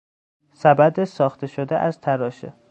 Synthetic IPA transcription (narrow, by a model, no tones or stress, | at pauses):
sæbæd̪esɒːxt̪ʰeʃod̪eʔæzt̪ʰæɾɒːʃe